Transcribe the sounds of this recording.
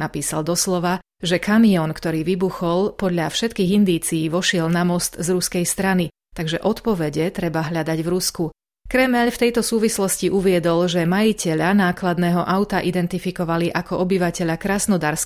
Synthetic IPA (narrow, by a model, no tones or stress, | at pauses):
napiːsald̪ɔslɔʋa | ʒɛkamiɔnkt̪ɔɾiːʋibuxɔlpɔd̪ʎafʃɛt̪kiːɣind̪iːt͡siːʋɔʃɪɛlnamɔst̪zɾuskɛjst̪ɾani | t̪aɡʒɛʔɔt̪pɔʋɛɟɛt̪ɾɛbaɦʎad̪aɟʋɾusku | kɾɛmɛʎft̪ɛjt̪ɔsuːʋislɔsciʔuʋɪɛd̪ɔlʒɛmajicɛʎanaːklad̪nɛːɦɔʔaʊt̪aʔid̪ɛnt̪ifikɔʋaliʔakɔʔɔbiʋacɛʎakɾaːsnɔd̪aːɾs